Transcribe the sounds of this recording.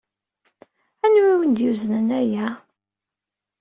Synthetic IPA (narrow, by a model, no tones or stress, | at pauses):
ænwiwənd̪juzənənæjæ